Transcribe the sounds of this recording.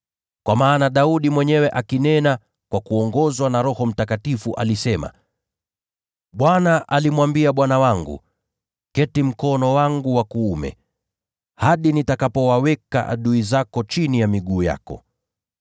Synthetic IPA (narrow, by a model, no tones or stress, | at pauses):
kwamaːnaɗauɗimwɛɲɛwɛʔakinɛna | kwakuɔŋɡɔzwanaɾɔhɔm̩takatifuʔa̰lisɛma̰ | ɓwanaʔalimwambiaɓwanawaŋɡṵ | kɛtim̩kɔnɔwaŋɡuwakuumɛ̰ | haɗinitakapɔwawɛka̰ʔa̰ɗuizakɔt͡ʃinijamiɡuːja̰kɔ̰